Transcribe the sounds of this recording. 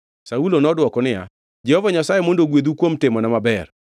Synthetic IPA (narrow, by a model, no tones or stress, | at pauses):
saulonɔdwɔkɔnɪja̰ | d͡ʒɛhovaɲasajemondoɡwed̪ukwomtɪmɔnamabɛr